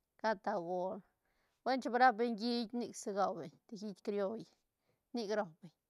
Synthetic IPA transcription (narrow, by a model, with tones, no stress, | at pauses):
ka˦t̪a˨ɡo˨ɾ | we˦nt͡ʃe˦bɾa˦p̚be˧ɲɡi˦jʲni˦˧kse˧ɡa˧wbe˨ɲt̪e˧˨xi˦t̪ʲkɾjo˧j | ni˦˧kɾo˨be˨ɲ